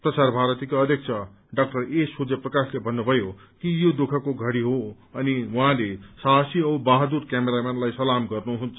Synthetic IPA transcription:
prʌsarbʱaɾʌt̪ikoʌd̪ʱjʌk̚t͡sʰʌ | ɖak̚ʈʌresud͡zeprʌkaslebʱʌnːubʱʌjo | kijod̪okʰʌkoɡʱʌɽiɦo | ʌniwʌɦãlesasiʌubaɦd̪uɾkameɾamenlajsʌlamɡʌrnuɦunt͡sʰʌ

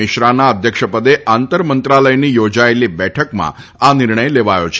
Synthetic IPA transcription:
ɪʃɾanaəd̪ʱjəkʃəpəd̪eʔant̪əɾmənt̪ɾaləjnijod͡ʒaelibɛʈʰəkmã̰anɪɾɳəjleʋajo̰t͡ʃʰ

